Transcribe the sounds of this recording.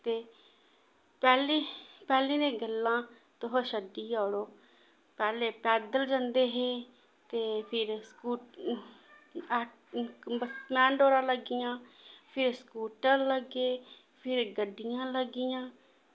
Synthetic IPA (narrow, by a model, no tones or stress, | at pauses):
t̪eː | pɛːleːpɛːlĩːnẽːɡəlːãː | t̪ʊɦõːʃəd̪iːaːɽoː | pɛːleːpɛːd̪əld͡ʒãnd̪eːɦeː | t̪eːpʰɪɾskuː | ətmɛ̃ːɳɖoːɾãːləɡɪjãːpʰɪɾskuːʈãːləɡeː | pʰɪɾɡəɖːɪjãːləɡɪjãː